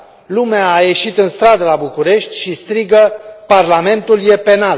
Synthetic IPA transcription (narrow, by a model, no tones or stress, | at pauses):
lumeaːje̞ʃit̪ɨnst̪ɾad̪əlabukuɾe̞ʃt̪ʲʃist̪ɾiɡəparlame̞nt̪ulje̞pe̞nal